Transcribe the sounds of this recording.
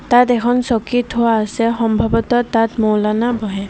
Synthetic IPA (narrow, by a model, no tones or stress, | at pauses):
t̪at̪ɛkʰɔnsɔkit̪ʰʊwaːsɛxɔmbʱɔbɔt̪ɔt̪at̪mɔwlanabʱɔɦɛ